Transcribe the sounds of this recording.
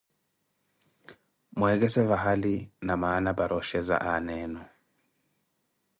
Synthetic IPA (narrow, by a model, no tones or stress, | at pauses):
mwɛɡɛsɛvaɦalinamaːnabaɾʔɔʃɛza̰ʔanɛːnɔ